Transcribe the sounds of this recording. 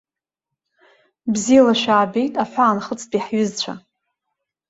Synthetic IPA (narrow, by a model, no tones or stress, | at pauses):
bzijalaʃᶣaːbe̞jtʼaħʷaːnχət͡sʰpʼiħɥʏzt͡ɕʷʰa̰